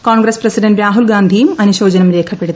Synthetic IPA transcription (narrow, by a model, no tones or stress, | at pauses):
kaːɳɡɾɐsprɐsiɖɐnʈɾaːɦulɡaːnd̪ʱijumɐnuɕo̞ːd͡ʑɐnɐmɾe̞ːkʰɐpːe̞ɽu